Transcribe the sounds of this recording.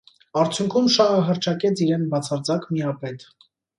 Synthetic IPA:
ɑɾt͡sʰjuŋkʰumʃɑɦəɦəɾt͡ʃʰɑkɛt͡sʰiɾɛnbɑt͡sʰɑɾd͡zɑkmiɑpɛt̪

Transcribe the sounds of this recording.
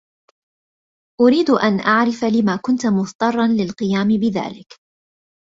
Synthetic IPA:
ʔʊɾiːd̪ʔanʔaʕɾɪfalɪmaːkʊnt̪mʊθt̪ˤɑrˤːɑnlɪlqɨjaːmɪbɪða̰ːlɪk

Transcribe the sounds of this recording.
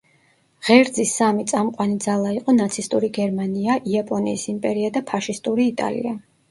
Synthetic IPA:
ʁɛɾd̪zisːamit̪sʼamqʼwanid̪zalˠaiqʼɔnat̪sʰist̪ʼuɾiɡɛɾmaniaʔiapʼɔnḭːsimpʼɛɾiad̪apʰaʃist̪ʼuɾiːt̪ʼa̰lḭa

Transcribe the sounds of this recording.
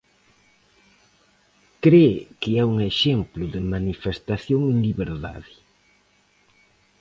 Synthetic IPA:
kɾekɪɛuŋeʃemplʊðɪmanifest̪aθjoŋẽŋliβeɾða̰ðɪ

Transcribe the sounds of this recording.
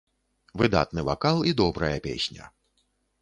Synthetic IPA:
vɨd̪a̰t̪nɨva̰kalˠid̪ɔbɾɐjɐpʲḛsʲnʲɐ̰

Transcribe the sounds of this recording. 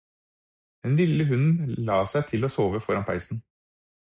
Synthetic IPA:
d̪̥ɛnlɪləɦʉnn̩lɑːsæɪt̪ʰɪloːsoːʋəfɔɾɑnpʰæ̰ɪsn̩

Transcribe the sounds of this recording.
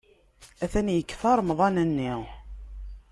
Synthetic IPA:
æθænjəkːθɑɾˤmðˤɑnænːiʁ

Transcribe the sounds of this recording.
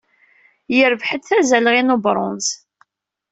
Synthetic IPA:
jəɾvħəd̪θæzælʁinobɾˤʊ̰ns

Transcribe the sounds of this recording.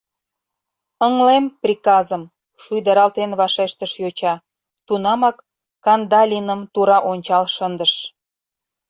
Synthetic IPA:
əŋlemprʲikɑzəm | ʃujd̪əɾɑlt̪enβɑʃeʃt̪əʃjot͡ɕɑ | t̪unɑmɑkː | ɑnd̪ɑlʲinəmt̪uɾɑʔonʲt͡ɕɑlʃənd̪əʃ

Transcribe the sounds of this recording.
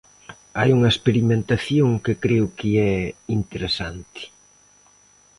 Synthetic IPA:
ajuŋɐespeɾimẽnt̪aθjoŋkɪkɾeʊkɪɛint̪eɾesant̪ɪ̥

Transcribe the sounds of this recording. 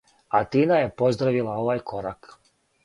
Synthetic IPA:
at̪iːnaje̞po̞zd̪ɾaʋilˠao̞ʋajkʰo̞ɾak

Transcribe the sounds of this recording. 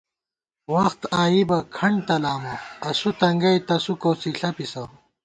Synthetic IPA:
wɐxt̪aːjibɐkʰɐɳɖt̪ɐlaːmɐɐsut̪ɐŋɡɐjt̪ɐsukoːsiɬɐpisɐw

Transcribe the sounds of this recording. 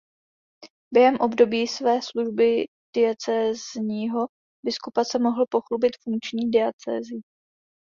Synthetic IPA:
b̥jɛɦɛmʔo̞bdo̞biːsvɛːsluʒbɪ | d̥ɪɛt͡sɛːzɲiːɦo̞ | bɪskupat͡sɛmo̞ɦl̩po̞xlubɪt̪fuŋkt͡ʃɲiːdɪat͡sɛ̰ːzɪ

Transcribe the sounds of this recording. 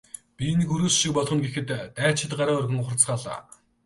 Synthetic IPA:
pʲinikuɾuːsʃik̚pɔɮχɞ̆nɡexɘ̆t̪t̪æːt͡ɕʰɪ̆t̪ɢaɾaːɵrɣʲɘ̆ŋχʊrt͡sχaːɮa̰ː

